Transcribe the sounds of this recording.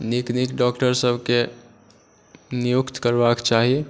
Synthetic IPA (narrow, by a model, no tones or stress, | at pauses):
niknikɖɔkʈəɾsəbʱke | nijukt̪kəɾbakt͡ʃaɦi